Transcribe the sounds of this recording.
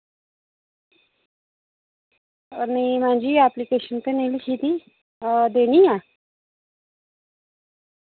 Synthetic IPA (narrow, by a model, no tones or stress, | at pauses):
nimaɳd͡ʑiːaplikeɕənt̪ənelikit̪i | d̪eɽija